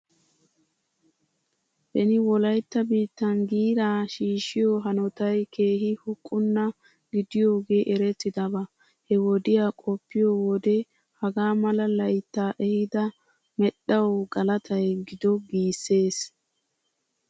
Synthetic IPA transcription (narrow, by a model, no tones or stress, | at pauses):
hɛnɪwɔlɐjt̪ːɐbiːt̪ːɐnɡiːɾaːʃiːʃːɪjɔɦɐnɔt̪ɐjkʰe̞ːɦɪhʊkʼːʊnːɐ | ɡɪd̪ɪjo̞ːɡe̞ːʔɛɾɛt̪ːɪd̪ɐbɐ | hɛwɔd̪ɪjaːkʼɔpːɪjowɔd̪ɛ | hɐɡaːmɐlɐlɐjt̪ːaːʔɛhɪd̪ɐ | mɛɗɐwɡɐlɐt̪ʰɐjɡɪd̪ɔɡiːsːe̞ːs